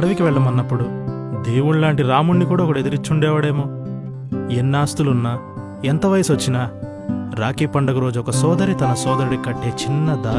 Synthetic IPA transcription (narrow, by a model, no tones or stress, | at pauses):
ɐɽɐʋikiʋɛɭːɐmɐnːɐpːuɽud̪eːwuɳlaːɳʈiɾaːmunːikuːɽaɔkɐɽed̪iɾit͡ʃːuɳɖɛːʋɐɽe̞ːmoː | enːaːst̪ulunːaː | ent̪ɐʋɐjɐsʋɐt͡ʃːinaː | ɾaːkiːpɐɳɖɐkuɾo̞ːd͡ʒuɔkɐsɔːd̪ɐɾit̪ɐnɐsɔːd̪ɐɾiɽikɐʈːe̞ːt͡ʃinːɐd̪aː